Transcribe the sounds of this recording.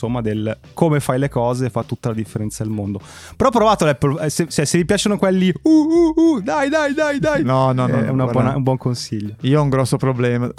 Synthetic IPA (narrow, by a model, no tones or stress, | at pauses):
omːad̪el | komefajlekɔːzeːfːat̪ːut̪ːalad̪ifːeɾɛnt̪sad̪elmond̪o | peɾɔpːɾovaːt̪olɛpːolɛset͡ʃɛsevipjaːt͡ʃonokwelːiuuud̪ajd̪ajd̪ajd̪ajnɔnɔnɔɛ̰unabwɔnaumbwɔŋkonsiʎːoiːoɔuŋɡɾɔsːopɾoblɛːma